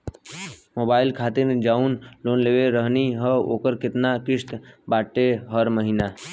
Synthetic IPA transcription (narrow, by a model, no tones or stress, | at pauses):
moːbaːɪlkʰaːt̪ɪɾd͡ʒaːunloːnleːʋeɾəɦniɦəo̰ːkəɾkɪt̪nakɪʂt̪baːʈːeɦəɾməɦina